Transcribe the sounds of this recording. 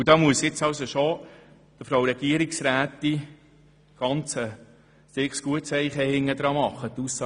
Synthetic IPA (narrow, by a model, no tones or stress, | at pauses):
ud̥ɑːmuəsjɪt͡sɑwsoʃo | d̥əfɾowɾɛɡ̥iəɾiksɾæːt̪i | ɡ̥ɑnt͡sə | stɪksɡ̥uətsɛɪχɛhɪŋːəd̥̪ɾɑːmɑχːət̪usːɑː